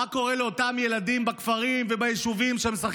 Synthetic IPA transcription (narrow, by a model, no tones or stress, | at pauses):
ako̞ʁe̞leo̞tamje̞lad̪imbakfaʁimvebajiʃuvimʃeemsaχ